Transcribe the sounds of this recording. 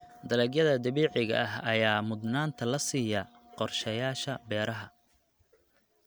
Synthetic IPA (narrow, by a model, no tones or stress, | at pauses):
d̪ɐlɛːɡjɐðɐd̪ɐβiːʕɪɣɐ̰ʔɐɦɐjaːmʊd̪naːnt̪ʰɐlɐsiːjɐ | qɔrʃɛjaːʃɐbɛːɾɐɦɐ